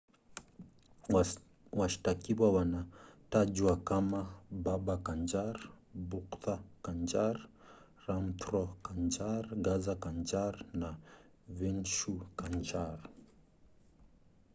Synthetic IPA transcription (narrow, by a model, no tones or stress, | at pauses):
waʃi̥takiwawanatad͡ʒwakamabaɓakand͡ʒaɾ | buktakand͡ʒaɾ | ɾamtɾɔkand͡ʒaɾɡazakand͡ʒaɾna | vinʃukand͡ʒaɾ